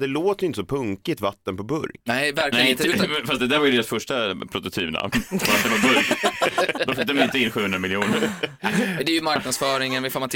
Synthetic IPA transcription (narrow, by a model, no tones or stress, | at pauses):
d̪ɛloːt̪əɾjʏɪnt̪əsɔpʰɵŋkɪt̪vat̪ːənpɔbɵ̰ɾknɛvæɾklnɛɪɪ̃fast̪d̪ɛd̪æːɾvajʏd̪eːɾasfœʂʈapʰɾʊt̪ʊt̪ʰyːpna̰vat̪d̪ɛnpɔbɵɾ | d̪ɔfɪk̚d̪əmanɪnt̪əɪnɧʉ̟hɵnd̪ɾamɪljuːnəɾ | d̪ɛjɵmaɾknad̪sfœːɾɪŋənvɪfaɾmat̪ʰ